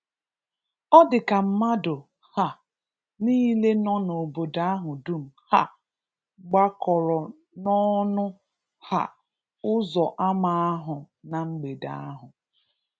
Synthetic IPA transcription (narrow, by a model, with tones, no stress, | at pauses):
ɔ˦dɪ˨ka˨m̩˦ma˦dʊ˨ | ha˨ | niː˦le˦nɔ˦no˨bo˨da˦a˦ɦʊ˨du˦m̩˨ha˨ | ɡ͡ba˦kɔ˨ɾɔ˨ | nɔ˦nʊ˦ | ha̰˨ | ʊ˦zɔ˨ʔa˦ma˨a˦ɦʊ˨ | na˨ŋ͡m̩˦ɡ͡be˨da̰˦a˦ɦʊ˨